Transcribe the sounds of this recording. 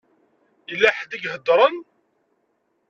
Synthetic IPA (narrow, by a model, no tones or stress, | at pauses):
ilːæħd̪əɡɦəd̪ːɾˤən